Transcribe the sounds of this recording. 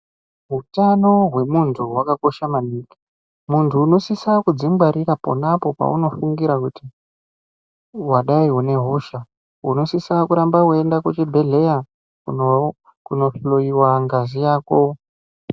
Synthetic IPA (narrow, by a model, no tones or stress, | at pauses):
ɦutano̞ɦwe̞muntʰuɦwakako̞ʃamaniːki̥ | muntʰuːno̞sisakud͡zimbaɾiɾapo̞̰napo̞pa̰ṵno̞fuŋɡiɾakuti | waɗaiune̞ɦuʃa | uno̞sisakuɾambakue̞ndakut͡ʃibʱe̞ɮe̞ja | ku | kuno̞floiwaŋɡazijaːko̞